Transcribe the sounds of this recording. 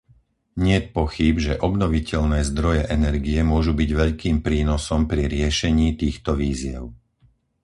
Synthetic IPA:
ɲɪɛt̪̚pɔxibʒɛʔɔbnɔʋicɛʎnɛːzd̪ɾɔjɛʔɛnɛɾɡiɛmʊɔʒubiɟʋɛʎkiːmpɾiːnɔsɔmpɾiɾɪɛʃɛɲiːt̪iːxt̪ɔʋiːzɪɛ̰ʊ

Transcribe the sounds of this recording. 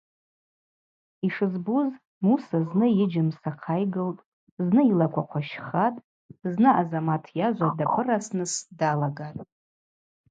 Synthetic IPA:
iʂɨzbuz | musaznɨjɪd͡ʒɪmsaqʰajɡɨltʼ | znɨilakʷʰaqʷʰaʃχatʼ | znɨʔazamatʰjaʒʷadapʰɨrasnɨsdalaɡatʼ

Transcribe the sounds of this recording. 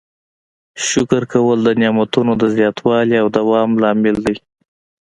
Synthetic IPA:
ʃʊkɾkawəld̪ənjɑmat̪unod̪əzjɑt̪ʰwɑliawd̪awɑmlɑmɪld̪aj

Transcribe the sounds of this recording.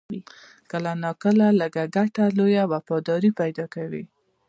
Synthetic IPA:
kəlanɑkəlaləɡaɡaʈalojawafɑd̪ɑɾipajd̪ɑkawi

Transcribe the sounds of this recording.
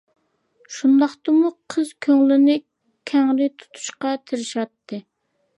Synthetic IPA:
ʃund̪ɑχt̪ɨmuqʰəz̥kʲʰøŋlɪnɪ | kʲʰæŋɾɪt̪ʰu̥t̪ʰu̥ʃqɑt̪ʰɪɾɪʃɑt̪ʰːɨ

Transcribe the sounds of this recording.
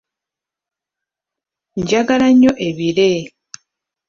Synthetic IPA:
ɲɟaɡalaɲoʔeβile

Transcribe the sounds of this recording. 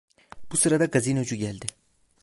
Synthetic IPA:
b̥usɯɾad̪aɡaziːnød͡ʒuɟælʲd̪ɪ

